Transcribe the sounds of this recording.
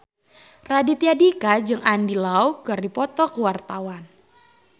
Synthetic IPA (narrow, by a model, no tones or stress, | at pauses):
radit̪iadikad͡ʒɨŋʔandilaukərdipɔt̪ɔkuwart̪awan